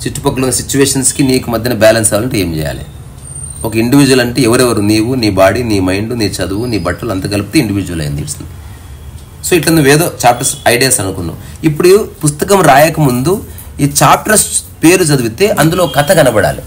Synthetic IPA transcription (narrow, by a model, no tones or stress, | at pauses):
t͡ʃiʈːu̥pɐkːuloːsit͡ʃːuʋeːʂɐnskiniːkumɐd̪ʱːɐnɐbaːlɐnsaːlɐɳʈeeːmt͡ʃɛ̰ːja̰ːlḭ | ɔkɐiɳɖiʋiːd͡ʒuʋɐlɐɳʈeːɛʋɐɾɛʋɐɾuniːwuniːbaːɽiniːmɐjɳɖuniːt͡ʃɐd̪uʋuniːbɐʈːɐlɐnt̪ɐɡɐluput̪eːiɳɖiʋiːd͡ʒuʋɐlɐ̰jɐnd̪ḭːɾusund̪i | so̞ːiʈlɐnueːd̪o̞ːt͡ʃaːp̚ʈɾɐsɐjɖijaːsɐnukunːṵ | ipːuɽupust̪ɐkɐmɾaːjɐkɐmund̪u | iːt͡ʃaːp̚ʈɾɐspe̞ːɾut͡ʃɐd̪uʋut̪e̞ːʔɐnd̪uloːkɐt̪ʰɐkɐnɐbɐɽa̰ːlḭ